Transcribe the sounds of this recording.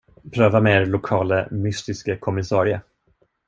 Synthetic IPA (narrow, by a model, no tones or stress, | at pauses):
pʰɾøːvameːɾlʊkʰɑːləmʏst̪ɪskəkʰɔmɪsɑːɾɪə